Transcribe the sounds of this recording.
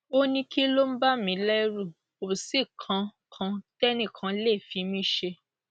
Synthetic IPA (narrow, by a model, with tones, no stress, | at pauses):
o˦nĩ˧ki˦lo˦m̩˦ba˦mĩ˨˧˦lɛ˦ɾu˦˨ | o˨si˦˨kʰã˧˦ | kʰã˨˧tɛ˦nĩ˦˨kʰã˨˧˦le˦˨fi˨˦mĩ˦ʃe˧